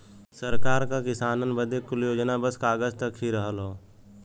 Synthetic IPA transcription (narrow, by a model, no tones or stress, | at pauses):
səɾkaːɾkakɪsaːnənbəd̪ekʊljoːd͡ʒnabəskaːɡəst̪əkɦiɾəɦəlɦoː